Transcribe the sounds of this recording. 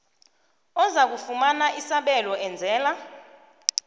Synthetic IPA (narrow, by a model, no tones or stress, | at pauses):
ɔzak̬ufumanaʔisaɓɛlɔʔɛnd͡zʱɛːla